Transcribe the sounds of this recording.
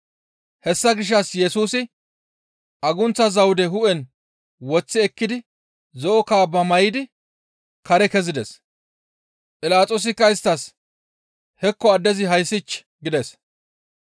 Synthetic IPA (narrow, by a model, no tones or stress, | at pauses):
hɛsːɐɡɪʃ̬ːɐsjɛsuːsɪ | ʔɐɡʊnt͡sːɐzɐwd̪ɛɦʊʔɛn | wɔt͡sːɪɛkːɪd̪ɪ | zɔʔɔkaːbɐmɐjɪd̪ɪ | kɐɾɛkɛzɪd̪ɛs | pʼɪlaːt͡sʼoːs̬ɪkːɐɪst̪ːɐs | hɛkːɔɐd̪ːɛzɪɦɐjsːɪt͡ʃː | ɡɪd̪ɛs